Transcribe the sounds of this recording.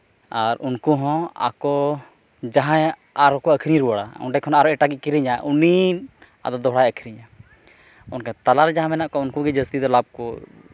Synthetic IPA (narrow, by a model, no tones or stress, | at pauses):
aɾunkuɦɔ̃a̰kɔ | d͡ʒaɦãj | aɾɔkɔəkʰiɾiɾuwaɽa̰ṵnɖɛkʰɔnaaɾɔɛʈaɡiʔ̚kiɾiɲaʔuni | a̰d̪ɔd̪ɔɦɽajəkʰiɾiɲa | ɔnkɛt̪alaɾd͡ʒaɦãmɛnaʔkɔunkuɡɛd͡ʒəst̪id̪ɔlab̚kɔ